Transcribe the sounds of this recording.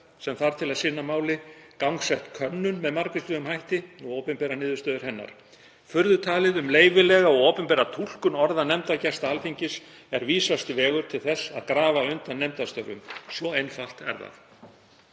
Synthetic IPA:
sɛmθaɾ̥t̪ʰɪlaðsɪnːamaːwlɪkawŋksɛht̪kʰœnːʏnmɛðmaɾkʏslʏʏmhajht̪ɪɔɣowpʏmpɛːɾanɪːðʏ̥st̪œːðʏɾ̥ɦɛnːa̰ɾ̥ | fʏɾðʏt̪ʰaːlɪðʏmleːjvɪlɛɣaɔɣowpʏmpɛːɾat̪ʰul̥kʏnɔɾðanɛmt̪acɛst̪aalfiɲcɪs | ɛɾviːsast̪vɛːɣʏɾ̥t̪ʰɪlθɛsːa̰ðkɾaːvaʏnt̪anːɛmt̪ast̪œɾʏ̰msvɔejnfal̥t̪ɛ̰ɾða̰θ

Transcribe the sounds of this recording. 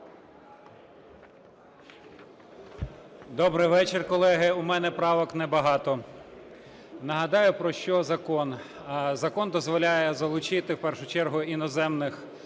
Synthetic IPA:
d̪ɔbɾɪjʋɛt͡ʃɪrkɔlˠɛɦɪʊmɛnɛpɾɑʋɔknɛbɐɦɑt̪ɔ | nɐɦɐd̪ɑjʊpɾɔʃt͡ʃɔzɐkɔnzɐkɔnd̪ɔzʋɔlʲajɛzɐlˠʊt͡ʃɪt̪ɪwpɛrʃʊt͡ʃɛrɦʊinɔzɛmnɪx

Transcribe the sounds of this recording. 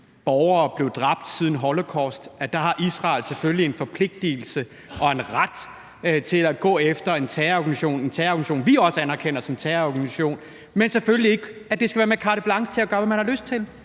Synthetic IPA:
b̥ɒʊɐːb̥le̝ʊd̥ʁɑ̈b̥̚d̥sið̞ˠn̩ɦɒ̽lokʰɒ̰sd̥æd̥ɑ̈ɦɑ̈ʔisʁɑ̰̈ːɪlseføllie̝nfɒ̽pʰle̝ɡ̥̚d̥il̩sə | ʔɒ̽e̝nʁad̥ | t͡sʰe̝læɡ̥ɔ̰̽ːefd̥ɐe̝nt͡sʰɛːɐɒɡ̥æniɕo̝̰ːne̝nt͡sʰæːɐɒɡ̥niɕo̰ːnʋiɒ̽səænæɐkʰen̰ɐsɒ̽mt͡sʰɛɐɒɡ̥æniɕo̝̰ːn | menseføllie̝ɡ̥æd̥e̝sɡ̥æʋæːɐmekʰɑ̈ːɾ̥əb̥lɑ̈ŋɡ̥t͡sʰe̝æɡ̥ɶːɐʋæmænhɑ̈løsd̥̚t͡sʰe̝l

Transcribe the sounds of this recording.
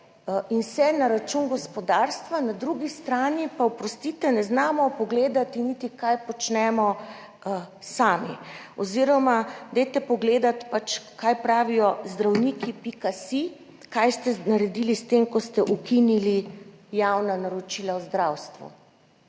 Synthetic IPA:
insɛnaɾat͡ʃunɡɔspɔd̪aːɾst̪ʋanad̪ɾuɡist̪ɾaːnipaupɾɔst̪it̪ɛnɛznaːmɔpɔɡleːd̪at̪init̪ikajpɔt͡ʃnɛmɔ | saːmiɔziɾɔmad̪ɛjt̪ɛpɔɡleːd̪at̪pat͡ʃkajpɾaːʋijɔzd̪ɾawnikipikasi | kajst̪ɛnaɾɛd̪ilist̪emkɔst̪ɛʔukinilijawnanaɾɔt͡ʃilawzd̪ɾawst̪ʋṵ

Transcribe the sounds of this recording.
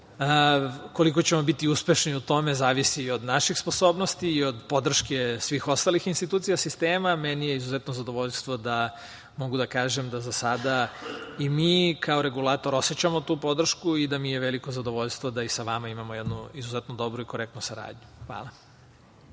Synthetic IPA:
ko̞liko̞t͡ɕe̞mo̞bit̪iuspe̞ʃniut̪o̞me̞zaːʋisio̞d̪naʃixspo̞so̞ːbno̞st̪iːo̞d̪po̞d̪r̩ʃke̞sʋixo̞st̪alixinst̪it̪uːt̪sijasist̪eːmamenijeizuzet̪nozad̪o̞ʋoʎst̪ʋo̞d̪a | mo̞ɡud̪akaːʒe̞md̪azasad̪aimiːkʰaoɾe̞ɡulˠaːt̪o̞ɾo̞set͡ɕamo̞t̪uːpo̞d̪r̩ʃkuid̪amijeʋeliko̞zad̪o̞ʋo̞ʎst̪ʋo̞d̪aisaʋamaimamojed̪nuizuzet̪nod̪o̞bɾuiko̞ɾek̚t̪nusaɾa̰ːd̪ɲuxʋa̰ːlˠa

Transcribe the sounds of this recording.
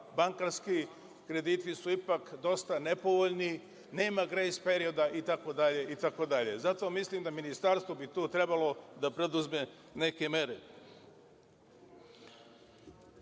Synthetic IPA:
baŋkaɾski | kɾe̞d̪iːt̪ʋisuipakd̪o̞st̪ane̞po̞ʋoʎni | ne̞ːmaɡɾejspe̞ɾio̞d̪aʔit̪ako̞d̪aʎe̞ʔit̪ako̞d̪aʎe̞zat̪o̞mislimd̪aminist̪aɾst̪vobit̪uːt̪ɾe̞balo̞d̪apɾed̪uzme | ne̞ke̞me̞ɾe

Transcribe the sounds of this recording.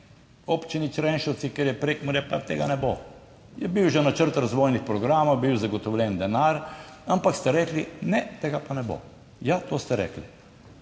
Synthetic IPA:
opt͡ʃinit͡ʃɾɛnʃɔwt̪sikɛɾjɛpɾekmuɾjɛpat̪eːɡanɛbo | jɛbiwʒɛnat͡ʃəɾt̪ɾazʋoːjnixpɾɔɡɾaːmowbiwzaɡɔt̪ɔwlʲjɛnd̪ɛnaɾampakst̪ɛɾɛːklinɛt̪eːɡapanɛbo̰ | jat̪oːst̪ɛɾɛ̰ːkli

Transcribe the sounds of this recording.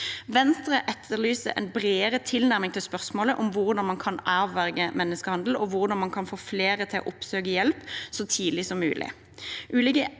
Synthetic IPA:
ʋɛnst̪ʁəʔɛt̪ʰːəʁlyːsəɾɛ̰nbʁeːəʁət̪ʰɪlnæʁmɪŋt̪ʰɪlspœʁsmoːləʔʊmʋʊʁd̪ɑnmɑnkʰɑnʔɑːʋʋæʁɡəmɛnːəskəhɑnd̪l̩ɔʋʊʁd̪ɑnmɑnkʰɑnfoːfleːʁət̪ʰɪlo̰ːʔʊpsøːɡəjɛlpsɔt̪ʰiːd̪lɪsɔmːʉːlʔɪ̰ | ʔʉːlɪɡə

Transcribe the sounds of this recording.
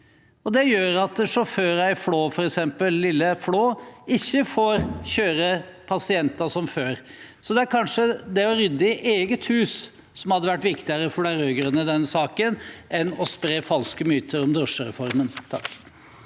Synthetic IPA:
ɔd̪ɛjøːɾɑt̪ʂɔføːɾæɪfloːfɔɾɛksɛmpəlːɪlːəfloːɪçːəfoːɾçøːɾəpʰɑsɪɛnt̪ɑsɔmføːɾsɔd̪ɛæɾkʰɑnʂəd̪ɛɔɾʏd̪ːəɪʔeːɡət̪hʉːs | sɔmhɑd̪ːəʋæʈːʋɪkt̪ɪəɾəfɔɖæɾøɡɾənəd̪ɛnːəsɑːkənʔɛnɔspɾeːfɑlskəmyːt̪ʰəɾɔmd̪ɾɔʂəɾɛ̰fɔɾmənt̪ʰɑ̰kː

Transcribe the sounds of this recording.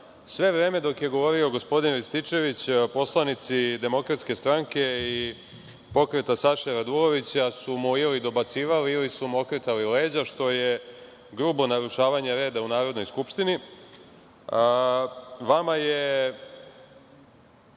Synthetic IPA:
sʋe̞ʋɾe̞ːme̞d̪o̞kje̞ɡo̞ʋo̞ɾio̞ɡo̞spo̞d̪inlist̪it͡ʃe̞ʋit͡ɕpo̞slˠanit̪sid̪e̞mo̞kɾat̪ske̞st̪ɾaŋke̞i | po̞kɾe̞t̪asaʃeɾad̪ulo̞ʋit͡ɕasumuilid̪o̞bat̪siːʋaliilisumuokɾet̪alile̞ːd͡ʑaʃt̪o̞je | ɡɾuːbo̞naɾuʃaːʋaɲeɾe̞ːd̪aunaːɾo̞d̪no̞jskupʃt̪ini | ʋamaje

